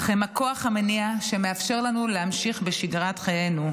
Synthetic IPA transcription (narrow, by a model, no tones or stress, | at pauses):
χemako̞aχhameniaʃe̞me̞afʃe̞ʁlanuleamʃiχbeʃiɡʁatχaje̞nu